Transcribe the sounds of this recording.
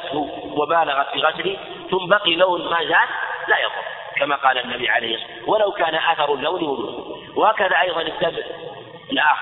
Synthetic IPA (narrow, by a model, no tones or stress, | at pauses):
t̪hʊ | wabaːlaɣat̪fiːɣasli | θʊmːbɑqilawnmaːzaːllajaqʊ̰n | kamaqɑːlaʔnːabiʕalajːx | walawkaːnaʔaθɑɾˤʊlːawnwalṵː | wahaːkaðaʔɑjðˤɑnɪsːab | ɪlʔaːx